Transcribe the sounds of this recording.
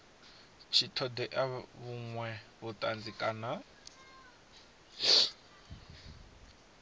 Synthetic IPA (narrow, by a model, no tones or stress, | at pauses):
t͡ʃʰitʰɔd̪ɛʔaβuŋwɛβutʼand͡zikʼana